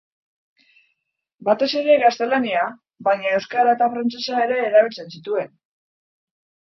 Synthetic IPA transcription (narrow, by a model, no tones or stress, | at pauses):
bat̪e̞se̞ɾe̞ɣast̪e̞lania | bajɲae̞wskaɾat̪afɾant͡se̞sae̞ɾe̞ːɾaβ̞ilt͡se̞nsit̪ue̞n